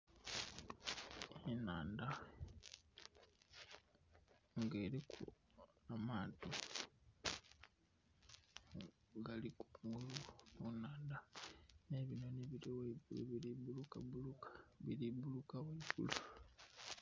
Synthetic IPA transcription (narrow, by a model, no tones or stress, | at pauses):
enaːnda | ŋɡeːɾekʰṵ | amaːnto | ɡaliku̥ŋɡulumunaːndane̞βinoneβiɾoweibulḛβiɾibulukabulukḁβiɾibulukaweibṵlu